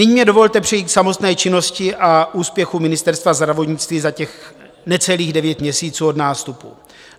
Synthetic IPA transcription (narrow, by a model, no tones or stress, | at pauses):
nɪɲːmɲɛdo̞vo̞lt̪ɛpr̥ɛjiːksamo̞t̪nɛːt͡ʃɪno̞scɪʔaʔuːspjɛxumɪnɪst̪ɛɾst̪vazd̪ɾavo̞t̪ɲɪt͡st̪viːzacɛx | nɛt͡sɛliːɣdɛvjɛt̪mɲɛsiːt͡suːo̞dnaːst̪upu